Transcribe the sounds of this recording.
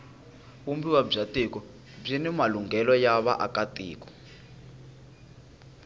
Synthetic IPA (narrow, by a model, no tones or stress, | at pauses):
umbiwab͡ʐatikɔ | b͡ʐinɛmaluŋɡɛlɔjaβa̰ʔakatḭːkɔ̥